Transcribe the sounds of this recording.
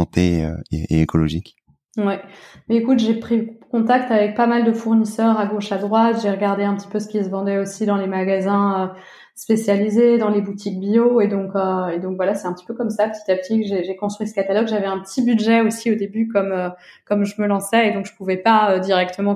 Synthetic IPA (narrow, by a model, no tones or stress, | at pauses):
ɑ̃t̪eø̰eḛekʰɔlɔ̰ʒik | wɛmɛekut̪ʒepχikɔ̃t̪ak̚t̪avɛk̚pamald̪əfuʁnisœʁaɡoʃad̪ʁwat̪ʒeʁəɡaʁd̪eɛ̃pət̪i̥pøsə̥kʲis̬əvɑ̃d̪ɛosid̪ɑ̃lemaɡazɛ̃ø | spesjalized̪ɑ̃lebut̪ik̚bjoed̪ɔ̃køed̪ɔ̃kvwalasɛt̪ɛ̃pət̪i̥pøkɔmsapə̥t̪i̥t̪apət̪ʰikʒeʒekɔ̃st̪χɥisə̥kat̪alɔɡʒavɛɛ̃pət̪ʰibyd̪ʒɛosiod̪ebykɔmøkɔmʒəməlɑ̃sɛed̪ɔ̃kʒəpuvɛpaød̪iʁɛk̚t̪ʰəmɑ̃